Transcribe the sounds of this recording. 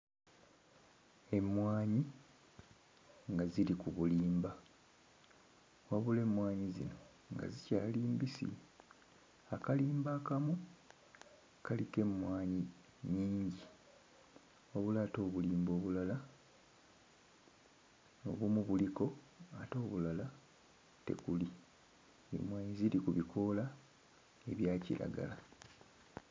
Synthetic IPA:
e̞mwaːɲi | ŋɡazilikuβuliːmba | waβule̞ːmwaːɲizḭno̞ | ŋɡa̰zica̰ːliːmbisḭ | akaliːmbaːkamu | kalike̞mwaːɲi | ɲiːɲɟi | o̞βulaːto̞ːβuliːmbo̞ːβulala | o̞̰βumuβuliko̞ | a̰to̞ːβulala | te̞̰kuli | ḛmwaːɲizilikuβikʰo̞la | e̞βjaːcḭɾʔa̰ɡa̰la

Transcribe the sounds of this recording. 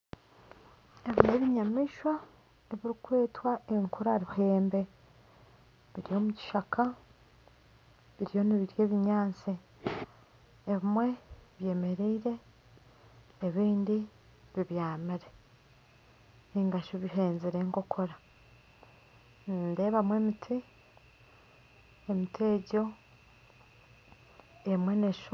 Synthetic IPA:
eβimeβiɲamiʃwa | eβiɾikwe̞ːtwaʔeŋkʰuɾaɾuhe̞ːmbe̞ | βiɾijo̞muci̥ʃakʰa | βiɾijo̞niβiɾje̞ːβiɲaːnt͡si | βimwe̞βje̞ːme̞ɾiːɾe̞ | βiːndi | βiβjaːmiɾe̞ | niːŋɡaʃoβiɦe̞ːnziɾe̞ŋko̞kʰo̞ɾa | nnde̞ːβamwe̞mitʰi | emitʰe̞ːɟo̞ | emwe̞neʃ

